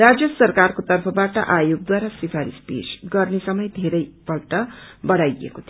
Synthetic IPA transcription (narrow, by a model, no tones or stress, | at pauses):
rad͡zjʌsʌrkarkot̪ʌrpʰʌbaʈʌʔajoɡ̚d̪waɾasipʰaɾispḛsɡʌrnesʌmʌjd̪ʱeɾʌjpʌlʈʌbʌɽajḛkot̪ʰ